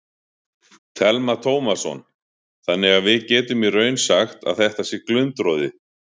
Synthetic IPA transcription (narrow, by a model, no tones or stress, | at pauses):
t̪ʰɛlmat̪ʰoːwmḁsɔ̰n | θanːɪɣaðvɪðcɛːt̪ʏmirœːɥnsaxt̪a̰ðθɛht̪asjɛɾklʏnt̪ɾoːðɪ